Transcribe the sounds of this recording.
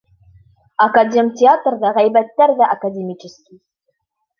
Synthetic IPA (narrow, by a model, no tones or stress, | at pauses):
akadʲemʲtʲeat̪rd̪ɑʁæjbæt̪ːæɾd̪æʔakad̪ʲemʲit͡ʃɪskʲi